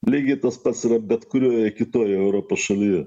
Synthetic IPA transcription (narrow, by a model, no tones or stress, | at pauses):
lʲiɪɡʲɪt̪ɐspɐt̪sɪɾɐbʲɛt̪kʊɾʲoːjɛkʲɪt̪oːjɛɛʊɾoːpoːsʃɐlʲiːjɛ